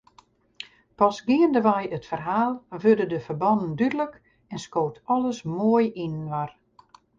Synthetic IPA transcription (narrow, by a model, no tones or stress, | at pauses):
pɔsɡiəndəʋɛjətfərɦaːlˠʋødədəfərbɔnən̩dydələk | ɛnskoːtɔlˠəsmoəjinnʋar